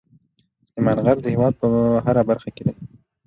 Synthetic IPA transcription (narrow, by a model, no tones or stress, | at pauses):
imɑnɣaɾd̪əhɪwɑd̪̚pəɦaɾabaɾxaked̪e